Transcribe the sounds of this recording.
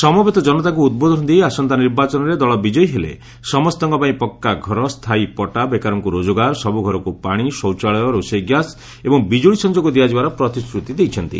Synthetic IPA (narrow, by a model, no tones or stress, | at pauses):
sɔmɔbet̪ɔd͡ʒɔnɔt̪akuːd̪̚bɔd̪ʱɔnt̪iasɔnt̪aniɾbat͡ʃɔnɔɾed̪ɔɭɔbid͡ʒɔjɦelḛ | sɔmɔst̪ɔŋkɔpaĩpɔkːaɡʱɔɾɔst̪ʰaipɔʈabekaɾɔŋkuɾod͡ʒoɡaɾsɔbuɡʱɔɾɔkupaɽ̃isɔwt͡ʃaɭɔjɔɾosɔjɡjas | ebɔŋbid͡ʒoɭisɔnd͡ʒoɡɔd̪iad͡ʒibaɾɔpɾɔt̪iskɾut̪id̪ejt͡ʃʰɔnt̪ḭ